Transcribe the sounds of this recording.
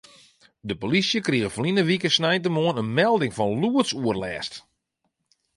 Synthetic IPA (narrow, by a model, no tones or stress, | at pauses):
dəpolisjəkriəɣəflinəʋikəsnɛjntəmoənənmɛlˠdɪŋfɔnluəsuərlɛːst